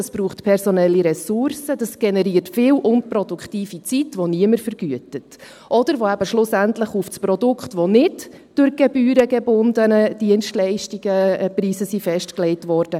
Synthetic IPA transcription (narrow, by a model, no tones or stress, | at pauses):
ɑsb̥ɾuːχtpʰɛɾsɔnɛlːiɾɛsʊɾsədɑsɡ̥ɛnɛɾiːərtfɪːlʔʊnpɾɔdʊkχtiːfit͡sitʋɔniəməɾfəɾɡyətət | ʔɔd̥əɾʋoæb̥əʃlʊsæntləχufspɾɔdʊkʰtʋonɪd | d̥ʊɾɡ̥ɛbyːɾəɡɛbʊndənəd̥iənstlɛɪʃtiɡ̥əpriːsəsifɛʃtklɛɪtʋɔːɾd̥ə